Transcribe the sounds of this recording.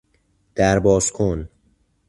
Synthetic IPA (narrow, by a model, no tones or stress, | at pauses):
d̪̥æɾbɒːzkʰon